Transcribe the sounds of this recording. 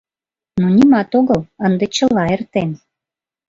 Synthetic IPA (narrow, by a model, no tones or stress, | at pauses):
nonʲimɑt̪oɣələnd̪et͡ɕəlɑert̪en